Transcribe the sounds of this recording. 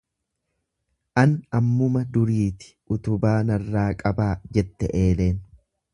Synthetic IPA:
ʔɐnɐmːʊmɐd̪ʊɾiːt̪ɪ̥ʔʊt̪ʊbaːnɐrːaːkʼɐbaːd͡ʒɛt̪ːɛ̰ʔe̞ːle̞ːn

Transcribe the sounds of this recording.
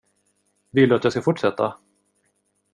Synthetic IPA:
vɪld̪ɵat̪jɑːɡskaɡfʊʈːʂɛt̪ʰːa̰

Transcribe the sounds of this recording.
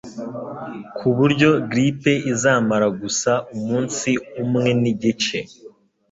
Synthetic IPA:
kʰuβuɾɟo̞ɡɾipe̞izaːmaɾaɡusaʔumuːnsiumŋe̞niɟit͡ʃe

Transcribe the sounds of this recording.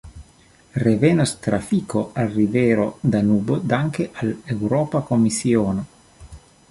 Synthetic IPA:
revenost̪ɾafikoalriveːɾod̪anuːbod̪aŋkeʔalewɾɔːpakomisioːno

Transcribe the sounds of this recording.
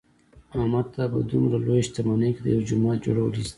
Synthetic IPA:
amaɾt̪apə̰d̪umɾalojeʃt̪amanejked̪əjawd͡ʒʊmɑt̪̚d͡ʒo̰ɽawəlis

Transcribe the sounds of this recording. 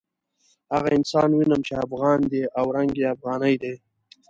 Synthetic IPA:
haɣaɪnsɑːnwinəmt͡ʃeafɣɑːnd̪eʔawɾaŋɡeafɣɑːnəjd̪e

